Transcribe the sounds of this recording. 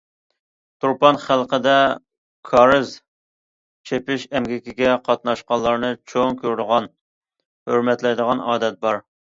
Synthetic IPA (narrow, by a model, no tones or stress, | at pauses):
t̪ʰuɾpɑnχælˠqəd̪ɛ | kʰɑɾɨz | t͡ʃʰepɪʃɛmɡʲɪkʲɪɡʲɛqʰɑt̪̚nɑʃqɑlˠːɑɾnɨt͡ʃʰoŋkʲʰøɾd̪ʊʁɑn | høɾmɛt̪lɛjd̪əʁɑnɑːd̪ɛt̪̚bɑɾ